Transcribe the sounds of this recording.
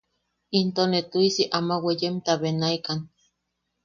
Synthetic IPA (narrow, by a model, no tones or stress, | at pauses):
int̪onet̪uisiʔamawejemt̪aβenaikan